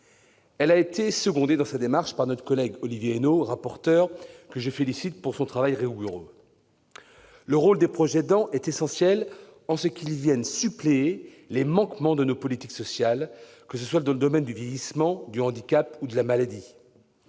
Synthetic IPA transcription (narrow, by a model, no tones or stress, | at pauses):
ɛlaet̪esəɡɔ̃d̪ed̪ɑ̃sad̪emaʁʃpaʁnɔt̪χə̥kɔlɛɡɔlivjeːnoʁapɔʁt̪œʁkəʒəfelisit̪̚puʁsɔ̃t̪χavajʁeuɡyʁø̰ | ləʁold̪epχɔʒɛd̪ɑ̃ʔɛt̪esɑ̃sjɛlɑ̃səkʲilvjɛnsyplee | lemɑ̃kmɑ̃d̪ənopɔlit̪iksɔsjal | kəsəswad̪ɑ̃ləd̪ɔmɛnd̪yvjejismɑ̃d̪yɑ̃d̪ikʲapud̪əlamalad̪i